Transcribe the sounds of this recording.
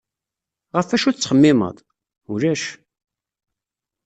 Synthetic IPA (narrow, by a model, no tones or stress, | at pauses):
ʁəfæʃut͡sːχəmːɪmə̰ðˤ | uɾæʃ